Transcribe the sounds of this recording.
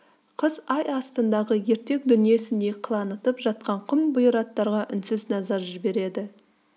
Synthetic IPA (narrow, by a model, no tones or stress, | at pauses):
qʰəzɑjɑst̪ənd̪ɑʁəje̞ɾt̪e̞k̚d̪ʏnije̞sɪnd̪e̞qʰəlˠɑnət̪əpʒɑt̪̚qɑɴqʰʊmbʊjəɾɑt̪ːɑɾʁɑʔʏnsɪznɑzɑɾʒɪbe̞ɾe̞d̪ɪ